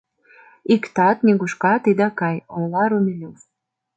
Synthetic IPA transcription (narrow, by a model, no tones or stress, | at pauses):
ikt̪ɑt̪nʲeɣuʃkɑt̪id̪ɑkɑjolɑɾumʲilʲuf